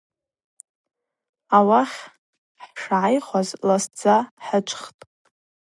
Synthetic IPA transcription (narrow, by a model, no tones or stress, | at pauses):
awaχʲ | ħʂʕajχʷazlasd͡zaħət͡ʃʷʰʼχtʼ